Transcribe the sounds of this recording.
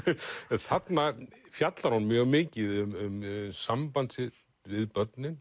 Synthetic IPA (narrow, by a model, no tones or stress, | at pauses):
θat̪naɣfjat̪laɾhunmjœːɣmɪːcɪðʏmʏmsampant̪sɪ | vɪðpœt̪nɪn